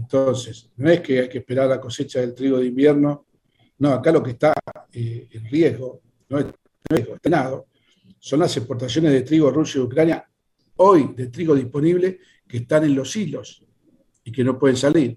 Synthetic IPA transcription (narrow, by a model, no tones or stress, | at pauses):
ent̪onsesno̞e̞hkeajkehpe̞ɾaɾlako̞se̞t͡ʃaðe̞lt̪ɾiɣo̞ðeimbjeɾno̞ | no̞akalo̞keht̪aeenrjeɦɣo̞ | noe | noeɦɣoet̪anaðo̞ | so̞nlasekpo̞ɾt̪asjo̞neɦðe̞t̪ɾiɣo̞rusjaiukɾanja | ojd̪et̪ɾiɣo̞ðihpo̞niβle̞ | keht̪anẽ̞nlo̞silo̞s | ikeno̞pwe̞ðensaliɾ